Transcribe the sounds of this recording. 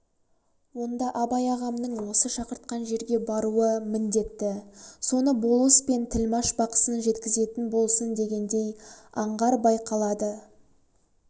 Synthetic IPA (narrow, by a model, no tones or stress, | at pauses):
wo̞nd̪ɑʔɑbɑjɑʁɑmnəɴwo̞səʃɑqəɾt̪̚qɑnʒe̞ɾɡʲe̞bɑɾuəmɪnd̪e̞t̪ːɪso̞nəbo̞lˠəspe̞nt̪ʰɪlmɑʃbɑqə̥sənʒe̞t̪kʲɪze̞t̪ɪnbo̞lˠsənd̪e̞ɡʲe̞nd̪e̞jɑɴʁɑɾbɑjqɑlˠɑd̪ə